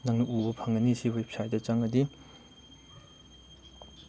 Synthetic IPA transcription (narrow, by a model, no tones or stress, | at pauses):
naŋnɐʔubɐpʰaŋɐnisiwep̚ʰsajt̚dɐt͡ʃaŋɐdi